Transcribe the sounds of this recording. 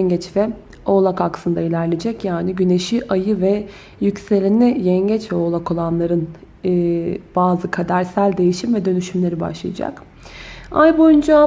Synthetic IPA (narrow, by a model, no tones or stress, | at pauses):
ɲɟɛt͡ʃvɛ | o̞lˠakaksɯnd̪ailʲæɾlʲe̞d͡ʒɛcjaːniɟyne̞ʃiʔajɯvɛ | jycse̞lʲinʲijɛɲɟɛt͡ʃvɛo̞lˠako̞lˠanlˠaɾɯnː | b̥aːzɯkʰad̪æɾsælʲd̪e̞jiʃimvɛd̪ø̞nyʃymlʲe̞ɾiba̰ʃlˠajad͡ʒa̰k | ajbo̞jynd͡ʒa